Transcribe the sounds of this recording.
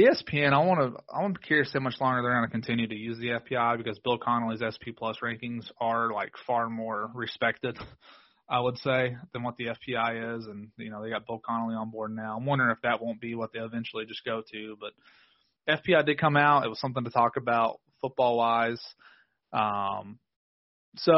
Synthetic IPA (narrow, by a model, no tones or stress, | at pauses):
ðiɛspʰiɛ̃ñaɪ̃nwɑnəaɪwõnkʰɛɹsoʊmʌt͡ʃlɔ̃ŋɡə˞ðə˞ɡɑnɨkn̩tʰɪ̃njʉɾɨjʉzðiɛfpʰiaɪbɨkʌzbɪlˠkʰɑnl̩ˠizɛspʰipʰl̥ʌsɹæ̃ŋkɪ̃ŋzə˞laɪkfɑɹmɔɹɹɨspɛk̚tɨd̥ | aɪwəd̥seɪðɨ̃nwʌt̪̚ðiɛfpʰiaɪɪzɨ̃njɨ̰ñoʊðeɪɡɑt̚b̥ɪlˠkʰɑnl̩ˠiə̃nbɔɹdⁿnaʊãɪ̃wʌ̃ndə˞ɨfðɨt̚wõʊ̃nb̥iwʌt̪̚ðeɪɨvɛ̃nt͡ʃl̩ˠid͡ʒʌsɡ̥oʊɾʉb̥ʌɾ̚ | ɛfpʰiaɪdɨd̚kʰʌ̃maʊtɨ̰t̚wʌz̥sʌ̃mθɪ̃ŋtʰɨtʰɔkɨbaʊt̚fʊt̚b̥ɔlˠwaɪz̥ | ʔʌ̃m | soʊ